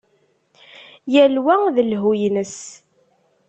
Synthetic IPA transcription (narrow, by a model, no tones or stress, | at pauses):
jælwæðəlɦujnəs